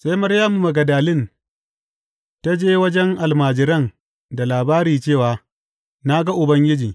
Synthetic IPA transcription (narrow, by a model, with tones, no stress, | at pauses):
sa˦jmɐ˦ɾjaː˦mu˨mɐ˨ɡɐ˨daː˨lɪ˦˨n | ta˦d͡ʒeː˦wɐ˦d͡ʒɛ˦ŋʔa˨lmaː˨d͡ʒɪ˨ɾɐ˦˨n | da˨laː˨baː˦ɾiː˨t͡ʃeː˦˨waː˨ | na˦ɡa˦ʔʊ˨bɐ˦ŋɡʲɪ˦d͡ʒiː˨